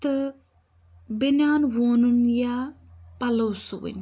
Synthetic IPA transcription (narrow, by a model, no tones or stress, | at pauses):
t̪ɨ | binaːnʋoːnunjapɐlɐwsuwḭn